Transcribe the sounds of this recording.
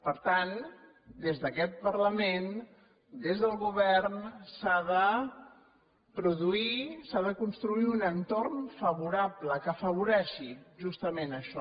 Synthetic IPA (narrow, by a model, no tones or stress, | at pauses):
pəɾt̪an | d̪ezðəkɛt̪̚pərləmen | d̪ezðəlˠɣuβ̞ɛrnsaðə | pɾuðuisaðəkunst̪ɾuiunənt̪ornfəβuɾabləkəːfəβ̞uɾɛʃiʒust̪əmenəʃɔ